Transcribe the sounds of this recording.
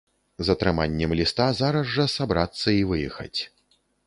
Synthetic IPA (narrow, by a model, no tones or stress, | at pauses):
zɐt̪ɾɨmanʲːɛmlʲist̪azaɾɐʐːɐsabɾat̪sːɐivɨjɛxɐ̰t͡sʲ